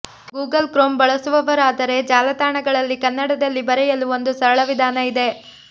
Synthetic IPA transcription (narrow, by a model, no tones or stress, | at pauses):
ɡuːɡɐlkɾoːmbɐɭɐsuʋɐʋɐɾaːd̪ɐɾe̞d͡ʒaːlɐt̪aːɳɐɡɐɭɐlːikɐnːɐɽɐd̪ɐlːibɐɾɛjɐluo̞nd̪usɐɾɐɭɐʋid̪ʱaːnɐid̪e̞